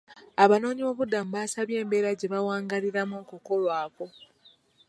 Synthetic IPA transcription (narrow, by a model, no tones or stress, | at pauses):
aβano̞ːɲiβo̞ːβudːamuβaːsaβje̞ːmbe̞ːɾaɟe̞βawaːŋɡaliɾamokoko̞lwaːko̞